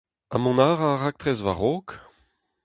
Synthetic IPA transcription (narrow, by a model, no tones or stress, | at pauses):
a̰mɔ̃naːʁaʁak̚t̪χɛzva̰ʁoːk